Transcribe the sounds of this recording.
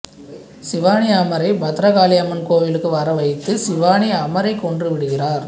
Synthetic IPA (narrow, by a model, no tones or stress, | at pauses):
sɪʋaːniamɐɾɐɪbɐt̪ɾɐɣaːlɪjɐmɐnkoːʋɪlɯkːɯʋɐɾɐʋɐɪt̪ːɯsɪʋaːɳiɐmɐɾɐɪkːɔɳdrɯʋɪɽɯɣɪraːɾ